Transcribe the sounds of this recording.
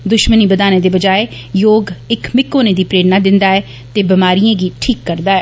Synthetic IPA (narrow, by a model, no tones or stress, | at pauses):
d̪ʊʃməniːbəd̪aːnẽːd̪eːbəd͡ʒaːe | joːɡɪkmɪkːoːnẽːd̪iːpɾeːɽnaːd̪ɪnd̪aːɛː | t̪eːbɪmaːɾijẽːɡiːʈʰiːkːəɾd̪aːɛː